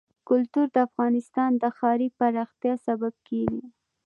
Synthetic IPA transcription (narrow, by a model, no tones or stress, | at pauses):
kʊlt̪uɾd̪əafɣɑnɪst̪ɑnd̪əxɑɾipaɾɑxt̪jɑsabab̚keɡi